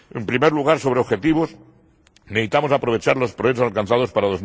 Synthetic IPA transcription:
empɾimeɾluɣ̞aɾso̞βɾeoxe̞t̪iβ̞o̞s | neðit̪amo̞sapɾoβet͡ʃaɾlo̞spɾoet̪osalkanθað̞o̞spaɾaðo̞z

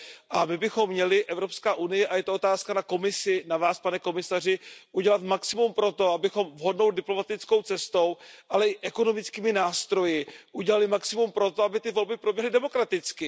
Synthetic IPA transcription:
ʔamɪbɪxo̞mːɲɛlɪʔɛvɾo̞pskaːʔunɪjɛʔajɛt̪oot̪aːskanako̞mɪsɪnavaːspanɛko̞mɪsar̝ɪʔuɟɛlat̪maksɪmumpɾo̞t̪o̞abɪxo̞mvɦo̞dno̞wdɪplo̞mat̪ɪt͡sko̞wt͡sɛst̪o̞wʔalɛʔɪʔɛko̞no̞mɪt͡skiːmɪnaːst̪ɾo̞jɪʔuɟɛlalɪmaksɪmumpɾo̞t̪o̞abɪt̪ɪvo̞lbɪpɾo̞bjɛɦlɪdɛmo̞kɾat̪ɪt͡skɪ

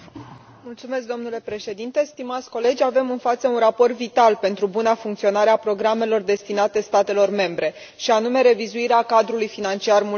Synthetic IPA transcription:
mult̪sume̞s̬k̚d̪o̞mnule̞pɾe̞ʃe̞d̪int̪e̞st̪imat̪sʲko̞le̞d͡ʒʲave̞mɨnfat̪səunrapo̞rt̪vit̪alpe̞nt̪ɾubunafuŋkt̪sio̞naɾeapɾo̞ɡɾame̞lo̞rd̪e̞st̪inat̪e̞st̪at̪e̞lo̞rme̞mbɾe̞ | ʃianume̞ɾe̞vizuiɾeakad̪ɾulujfinant͡ʃiarmu

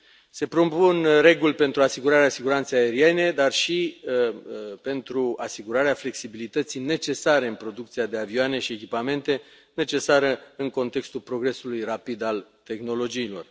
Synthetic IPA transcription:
se̞pɾo̞punre̞ɡulʲpe̞nt̪ɾuasiɡuɾaɾeasiɡuɾant̪sejae̞ɾie̞ne̞d̪arʃi | pe̞nt̪ɾuasiɡuɾaɾeafle̞ksibilit̪ət̪sijne̞t͡ʃe̞saɾe̞ɨnpɾo̞d̪ukt̪siad̪e̞avioane̞ʃiekʲipame̞nt̪e̞ | ne̞t͡ʃe̞saɾəɨŋko̞nt̪e̞kst̪ulpɾo̞ɡɾe̞sulujrapid̪alt̪e̞xno̞lo̞d͡ʒiːlo̞̰r

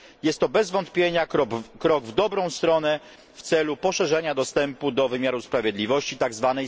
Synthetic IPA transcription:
jɛst̪ːɔbɛzvɔnt̪pʲjeɲakɾkɾɔɡvd̪ɔbɾɔ̃w̃st̪ɾɔnɛ | ft̪sɛlupɔʂɛʐɛɲad̪ɔst̪ɛmpud̪ɔvɘmʲjaɾuspɾavʲjɛd̪lʲivɔɕt͡ɕit̪aɡzvanɛj

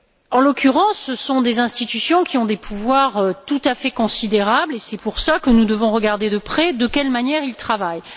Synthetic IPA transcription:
ɑ̃lɔkʲʰyʁɑ̃sːəsɔ̃d̪ezɛ̃st̪it̪ysjɔ̃kʲiɔ̃d̪epʰuvwaʁøt̪ut̪afɛkɔ̃sid̪eʁablesɛpuʁsakənud̪əvɔ̃ʁəɡaʁd̪ed̪əpχɛd̪əkʲɛlmanjɛʁilt̪χavaj

